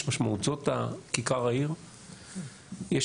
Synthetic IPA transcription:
maʃmauzotakikaʁaiʁ | je

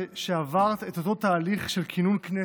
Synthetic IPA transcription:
ʃeavaʁt̪et̪o̞to̞t̪aːliχʃe̞lkʰinunkne

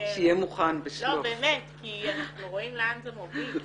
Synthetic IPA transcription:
ʃejemuχanbeʃlolobeːmetkianaχnuʁo̞ʔimlanzemofi

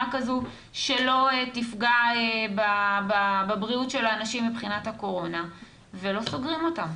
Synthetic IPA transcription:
akazu | ʃe̞lo̞etifɡaebabababʁiutʃe̞laːnaʃimːibχinatako̞ʁo̞na | velo̞so̞ɡʁimo̞tam

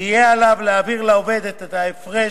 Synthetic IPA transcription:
ijealavleaviʁlaove̞d̪et̪et̪aefʁe

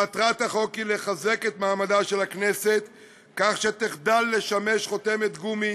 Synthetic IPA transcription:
at̪ʁat̪aχo̞kile̞χaze̞ke̞t̪maːmadaʃe̞lakne̞set̪ | kaχʃet̪iχd̪alːe̞ʃame̞ʃχo̞t̪e̞me̞t̪ɡumi

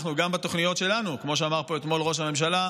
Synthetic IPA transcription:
χnuɡambat̪o̞χnijo̞t̪ʃelanukmo̞ʃ̬eamaʁpo̞et̪mo̞lʁo̞ʃ̬hame̞mʃ̬ala

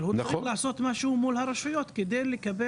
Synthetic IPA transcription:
lhulaʕaso̞t̪maʃhumulhaɾaʃujo̞t̪ked̪ejlekabe

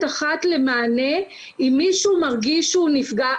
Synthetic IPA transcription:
aχat̪le̞maːne̞ | imːiʃumaʁɡiʃuːnifɡa

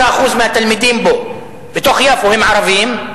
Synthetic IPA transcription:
aʔxuːzmɪat̪ːɪlmɪd̪iːmboʔ | bɪt̪oxjaːfʊhɪmːʕɑɾˤɑbɪjːɪm

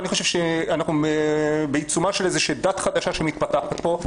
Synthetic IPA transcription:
aniχo̞ʃe̞vʃeanaχnuebeit͡sumaʃelezeʃed̪at̪χad̪aʃaʃemit̪̚pat̪aχat̪̚po̞

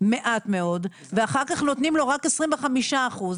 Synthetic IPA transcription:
me̞ʔat̪me̞o̞d | veaχaʁkaχnot̪nimlo̞ʁakesʁimveχamiʃaːχuz

